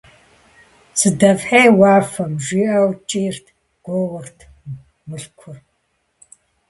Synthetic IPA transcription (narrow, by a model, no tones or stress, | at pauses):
sɨdɐvħeːwaːfɐmʒiːʔɐwt͡ʃʼiːrtʰ | ɡ̥ʷoːwʊrtʰ | mɨɬkʷʰʊr